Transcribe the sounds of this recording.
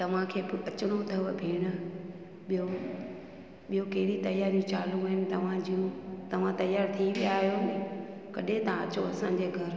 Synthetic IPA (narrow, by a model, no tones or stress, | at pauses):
t̪ɐʋ̤ãkʰeːbɪɐt͡ɕɪɽ̃ot̪ʰɐʋbʱiːɽ̃ʊ̆ | ɓijo | ɓijokɐɦɪɾit̪ɐjaːɾijũt͡ɕaːluənɪt̪ɐʋ̤ãd͡ʑiũt̪ɐʋ̤ãt̪ɐjaːɾt̪ʰiɓijaːɦijon | kɐɗẽt̪ɐãɐt͡ɕoɐsãɲd͡ʑeːɡʱɐɾ